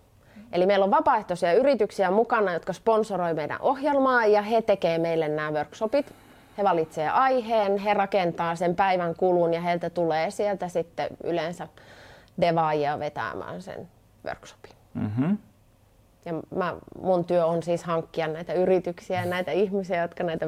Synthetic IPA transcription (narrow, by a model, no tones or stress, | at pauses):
ʔelimeilːoʋʋɑpɑːˑeht̪osiɑyrit̪yksiæmukɑnɑjot̪kɑsponsoroimeidæ̰ʔohjelmɑːjjɑhet̪ekeːmeilːennæːʋørksopit̪ | heʋɑlit̪seːʔɑiheːnherɑkent̪ɑːsempæiʋæŋkulunjɑheilt̪æt̪uleːsielt̪æsit̪ːḛy̰lensæ | deʋɑːjɑʋet̪æ̰ːmæ̰ːnsḛn | ʋø̰rkso̥pi̥n̩ | jɑmæmunt̪yøonsiːshɑŋkːiɑnnæit̪æyrit̪yksiæɑnæit̪æihmisiæjot̪kɑnæit̪æ